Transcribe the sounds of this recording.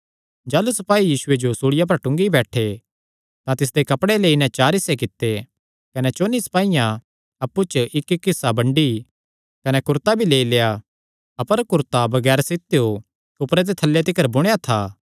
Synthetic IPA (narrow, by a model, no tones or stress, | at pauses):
d͡ʒaːlusɐpaːijiːsʊed͡ʒosuːɽɪjap̬ɐɾʈʊ̃ŋɡibɛːʈʰe | t̪ãt̪ɪs̬d̪ekɐpɽeleːinɛ̃t͡ʃaːɾɪsːekɪt̪ːe | kɐnɛt͡ʃoːniːspaːijã | ɐpːut͡ʃʔɪkːkːɪsːabɐ̃ɳɖi | kɐnɛkʊɾt̪abʱileːileːja | ɐpəɾkʊɾt̪abɐɡɛːɾsɪt̪ejo | kʊpɾet̪̬et̪ʰɐlːjet̪̬ɪkəɾbʊɽ̃ejat̪ʰaː